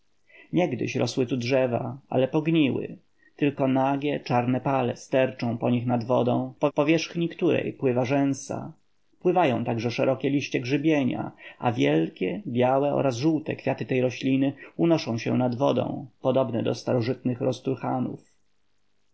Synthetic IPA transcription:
ɲɛɡd̪ɘ̰ɕɾɔswɘt̪udʐɛvaa̰lɛpɔɡɲiwɘ̰ | t̪ɘlkɔnaɡʲɛt͡ʂaɾnɛpalɛst̪ɛɾt͡ʂɔ̃w̃pɔɲixnad̪vɔd̪ɔ̰̃w̃pɔpɔvʲjɛʂxɲikt̪uɾɛ̰jpwɘvaʐɛ̃w̃sa̰ | pwɘvajɔ̃w̃t̪aɡʐɛʂɛɾɔkʲɛlʲiɕt͡ɕɛɡʐɘbʲjeɲa̰avʲjɛlkʲɛbʲjawɛʔɔ̰ɾazʐuwt̪ɛ̰kfʲjat̪ɘt̪ɛjɾɔɕlʲinɘunɔʂɔ̃w̃ɕɛ̰nad̪vɔd̪ɔ̰̃w̃pɔd̪ɔbnɛd̪ɔst̪aɾɔʐɘt̪nɘxɾɔst̪uɾxanṵf

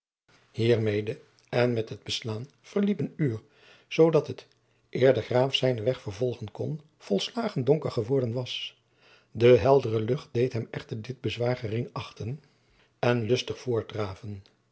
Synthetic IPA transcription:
hiːɹmejdə | ɛnmɛtɦəd̚bəslaːn | v̥əɹlipənyːɹ | z̥owdɑtət | ʔɪːɹdəχraːfsɛjnəʋɛχfəɹvɔlˠχənkɔn | v̥ɔlˠslaːχəndɔŋkəɹχəʋɔɹdənʋɑs | dəɦɛlˠdərəlɵχt̚d̥ejtɦɛmɛχtəɹdɪd̚bəzʋaːɹχərɪŋɑχtən | ɛnlɵstəχfʊːɹdraːvən

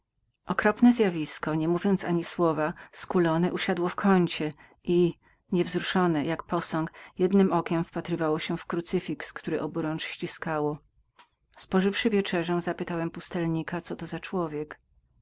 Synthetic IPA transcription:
ʔɔkɾɔpnɛzʲjavʲiskɔɲɛmuvʲjɔnt̪saɲiswɔvaskulɔnɛʔuɕad̪wɔfkʰɔɲt͡ɕɛ | ʔi | ɲɛvzɾuʂɔnɛjakpɔsɔŋkjɛd̪nɘmʔɔkʲɛmfpat̪ɾɘvawɔɕɛfkɾut̪sɘfʲikskt̪uɾɛʔɔbuɾɔnt͡ʂɕt͡ɕiskawɔ | spɔʐɘfʂɘvʲjɛt͡ʂɛʐɛ̃zapɘt̪awɛmpust̪ɛlɲikat̪sɔt̪ɔzat͡ʂwɔvʲjɛk

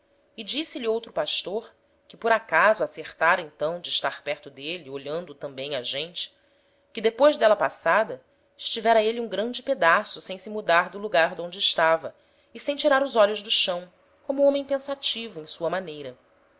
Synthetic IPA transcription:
ɪd͡ʒisɪʎiowt̪ɾʊpaʃt̪oɾ | kɪpoɾakazʊaseχt̪aɾẽnt̪ɐ̃w̃d͡ʒɪːʃt̪aχpɛɾt̪ʊd̪elioʎɐ̃nd̪ʊt̪ɐ̃mbẽj̃aʒẽnt͡ʃɪ̥ | kɪd̪epojʒd̪ɛlɐpasad̪ɐ | ɪʃt͡ʃivɛɾɐeliũɡɾɐ̃nd͡ʒɪped̪asʊsẽj̃sɪmud̪aɾd̪ʊluɡaɾd̪õd͡ʒɪːʃt̪avɐ | ɪsẽj̃t͡ʃiɾaɾʊzɔʎʊʒd̪ʊʃɐ̃w̃ | kõmʊõmẽj̃pẽsat͡ʃivʊẽj̃suɐmanejɾɐ

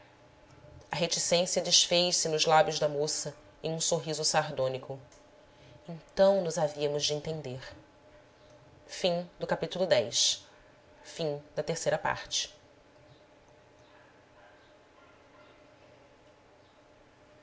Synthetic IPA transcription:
ɐɦet͡ʃisẽsjɐd͡ʒɪʃfejʃsɪnʊzlabjʊzd̪ɐmosɐ | ẽj̃ũsoɦizʊsaɾd̪õnikʊ | ẽnt̪ɐ̃w̃nʊzaviɐmʊzd͡ʒɪẽnt̪ẽnd̪eɾ | fĩd̪ʊkapit̪ulʊd̪ɛjs | fĩd̪ɐt̪eɾsejɾɐpa̰ɾt͡ʃɪ̥

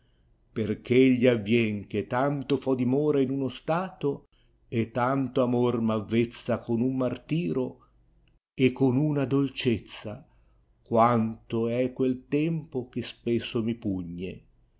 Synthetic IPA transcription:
perk̟ʰeeʎːiavːjɛŋk̟et̪ːant̪ofɔd̪imɔːɾainunost̪aːt̪o | et̪ːant̪oamormavːet̪sːakonumːart̪iːɾo | ekʰːonunad̪olt͡ʃet̪sːa | kwant̪oɛkːwelt̪ɛmpok̟espesːomipuɲːḛ

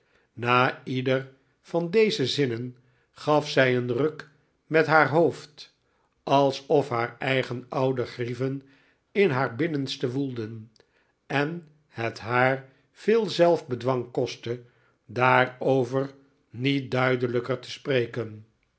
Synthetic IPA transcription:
naːidər | vɑndejzəzɪnən | χɑfsɛjənrɵk | mɛtɦaːɹɦowft | ɑlˠsɔfɦaːɹɛjχənɑwdəχrivən | ɪnɦaːɹbɪnənstəʋulˠdən | ɛn | hətɦaːr | v̥ɪːlˠzɛlˠfbədʋɑŋkɔstə | daːrowvər | nit̚dœɥdələkəɹtə̥sprejkən

